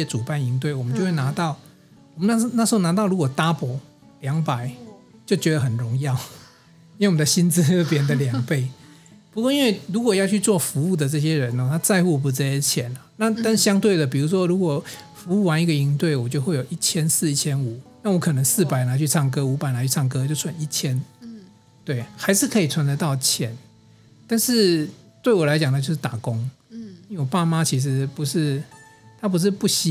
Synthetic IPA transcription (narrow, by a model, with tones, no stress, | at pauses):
ɛ˦˥t͡su˨˩pa˥˩ni˧˥ŋt̪we˥˩ɪwɔ˨˩mə˦t͡ɕo˥˧xwe˥˩na˧˥t̪ɑ˥˨ʊ | ɔ˨˩mə˦na˥˧˥na˥˩ʂɻ̩˧˥o˥˩na˧˥t̪̬ɑ˥˩ʊɻu˧˥kwɔ˨˩t̪a˥pwɔ˧˥ | ljɑ˧˥ŋpa˨˩˦ɪt͡ɕjo˥˩ʊt͡ɕɥɛ˧˥d̪ə˨xə˨˩nɻʊ˧˦ŋjɑ˥˨ʊ | i˧nwe˥˩wɔ˨˩d̪ə˧ɕi˥nt͡sɹ̩˥˧˥p̬jɛ˥˩˧nd̪ə˨ljɑ˨˦ŋpe˥˩ɪ | pu˧kwɔ˥˧i˦nwe˥˩ɪɻu˧˥kwɔ˨˩jɑ˥˧t͡ɕʰy˥˧t͡swɔ˥˨fu˧˥u˥˩d̪ə˩t͡sɤ˥˩ɕ̬jɛ˦˥ɻə˨˧˦nɔ˧˨˩t̪ʰa˥t͡sa˥˧ɪxu˥˩p̬u˧˥t͡s̩˥˧˩ɛ˥t͡ɕʰjɛ˨˩nə˨na˥˨t̪a˥˧n˩ɕjɑ˥ŋt̪we˥˩ɪd̪ə˩p̬i˨˩ɻu˧˥ʂwɔ˥ɻu˧˥kwɔ˨˩fu˧˦u˥˩wa˧˦ni˧˥ɡə˨i˧˥ŋt̪we˥˩ɪwɔ˨˩t͡ɕjo˥˧ʊxwe˥˩ɪjo˨˩ʊʔi˥˩t͡ɕʰjɛ˥nsɹ̩˥˩i˥˩t͡ɕʰjɛ˦˥nu˨˩˦na˥˩wɔ˦˥kʰɤ˨˩nə˧˦ŋsɹ̩˥˩pa˨˩ɪna˧˥t͡ɕʰy˥˧t͡sʰɑ˥˩ŋk̬ɤ˦u˧˥pa˨˩ɪna˨˥t͡ɕʰy˥˧˩ɑ˥˩ŋkɤ˥˦t͡ɕjo˥˧ʊt͡sʰwa˧˦ni˥˩t͡ɕʰjɛ˦˥n | t̪we˥˩ɪxa˧˥ɪʂɻ̩˥˩kʰɤ˧˥i˨˩t͡sʰwa˧˥ntə˧˥t̪ɑ˥˩ʊt͡ɕʰjɛ˨˦n | t̪a˥˧nʂɻ̩˥˧ | t̪we˥˩ɪwɔ˨˩la˧˦ɪt͡ɕjɑ˨ŋd̪ə˨t͡ɕjo˥˧ʊʂ̬ɻ̩˥˩t̪a˨˩kʊ˦ŋni˧˥wɔ˨˩pa˥˩ma˦t͡ɕʰi˧˥ʂ̬ɻ̩˧˦pu˧˥ʂɻ̩˥˩t̪ʰa˥p̬u˧˥ʂ̬ɻ̩˥˧pu˥˩ɕi˦˥